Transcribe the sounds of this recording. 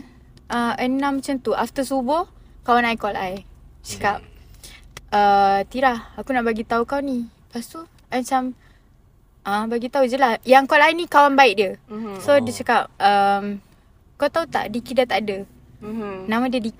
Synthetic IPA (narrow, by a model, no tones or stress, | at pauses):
ʔəənãmt͡ʃant̪uʔaft̪əsubʊh | kawanaikɔlajt͡ʃəkap̚ | ət̪iɾahakunaʔbaɡit̪aukawni | past̪u | at͡ʃam | ʔabaɡit̪aud͡ʒəlahjaŋkɔlajnikawanbaiʔ̚diəsodət͡ʃəkap̚əm | kawt̪aut̪a̰ʔdikidat̪aʔdə | namãdiədi